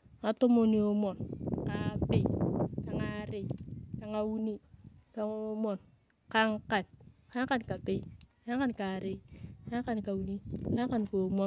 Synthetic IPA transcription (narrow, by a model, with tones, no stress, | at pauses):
ŋa˨to˦mo˦˨ni˨o˦mɔ˨nka˨pe˦˨ka˨ŋa˦ɾe˨ka˨ŋa˦wu˦ni˦ka˨ŋo˦mɔ˨n | ka˦ŋka˨nka˦ŋka˦nka˨pe˦ka˦ŋka˦nka˨ɾe˦ka˦ŋka˦nka˨wu˨ni˦ka˦ŋ˦ka˦nko˨mɔ˦